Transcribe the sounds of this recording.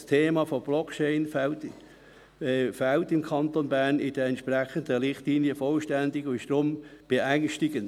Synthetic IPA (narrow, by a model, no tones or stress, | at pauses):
stʰeːmɑːfob̥lɔkt͡ʃeɪnft | faltɪmkʰɑntonbæʁnɪd̥əɛntʃprɛχəndəɾɪχtliːnjəfɔlʃtændɪɡʊnɪʃd̥ɾomb̥eʔæŋʃtɪɡən